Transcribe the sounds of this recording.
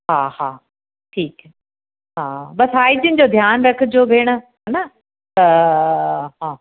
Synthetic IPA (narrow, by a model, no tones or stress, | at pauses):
ɦaːhaː | ʈʰiːk | ɦaːbɐsaːid͡ʑɪnɪ̆d͡ʑod̪ʱjaːnɾɐkʰɪd͡ʑoːbʱeːɽ̃ə̆ | ɦɐnɐ | t̪ɐ | ɦãː